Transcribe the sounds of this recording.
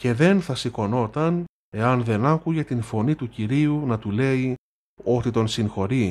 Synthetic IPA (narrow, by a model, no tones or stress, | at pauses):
ce̞ðe̞nθɐsiko̞no̞t̪ɐn | e̞ɐnðe̞nɐkuʝe̞t̪info̞nit̪uciɾiunɐt̪ule̞i | o̞t̪it̪o̞nsiŋxo̞ɾi